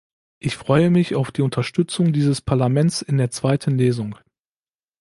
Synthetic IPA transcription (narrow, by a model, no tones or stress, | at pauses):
ʔɪçfʁ̥ɔʏəmɪçaʊfd̥iːʊntʰɐʃtʏt͡sʊŋdiːzəspʰaɐlamɛnt͡sɪndeːɐt͡sv̥aɪtʰən̩leːzʊŋ